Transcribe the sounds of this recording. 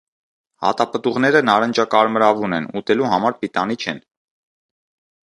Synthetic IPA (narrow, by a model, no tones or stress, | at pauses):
hɑ̰t̪ɑpət̪uʁnɛɾənɑɾənd͡ʒɑkɑɾməɾɑvunɛnut̪ɛluɦɑmɑɾpit̪ɑnit͡ʃʰɛn